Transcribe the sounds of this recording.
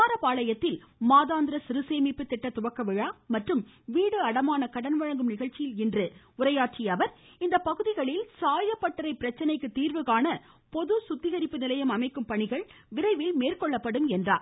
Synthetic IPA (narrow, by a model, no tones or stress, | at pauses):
aːɾɐpaːɭɐjɐt̪ːɪlmaːðaːnd̪ɪɾɐsɪɾɯseːmɪpːɯt̪ːɪʈːɐt̪ʊʋɐkːɐʋɪɻaːmɐʈrɯmʋiːɽɯɐɽɐmaːnɐkɐɽɐnʋɐɻɐŋɡɯmnɪɣɐɭt͡ʃɪjɪlɪndrɯ | ʊɾɐjaːʈt͡ʃɪjɐʋɐɾ | ɪnd̪ɐpɐɣɯðɪɣɐɭɪlsaːjɐpːɐʈːɐɾɐɪpːɪɾɐt͡ʃːɐnɐɪkːɯt̪ːiːɾʋɯɣaːnɐ | pɔðɯsʊt̪ːɪɣɐɾɪpːɯnɪlɐjɐmɐmɐɪkːɯmpɐɳɪɣɐɭ | ʋɪɾɐɪʋɪlmeːrkɔɭːɐpːɐɽɯmɛndra̰ː